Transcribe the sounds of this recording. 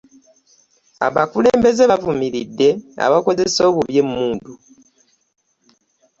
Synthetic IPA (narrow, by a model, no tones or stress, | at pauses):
a̰βakule̞ːmbe̞zeβavumiɾidːe̞a̰βako̞zeso̞ːβuβje̞mːuːndu